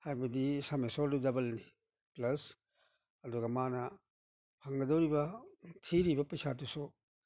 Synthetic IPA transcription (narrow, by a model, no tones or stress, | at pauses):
hajbɐdisamesoɾdudɐbɐlni | plɐs | ɐduɡɐmanɐ | pʰaŋɡɐdɐwɾibɐtʰiɾibɐpɐjsatusu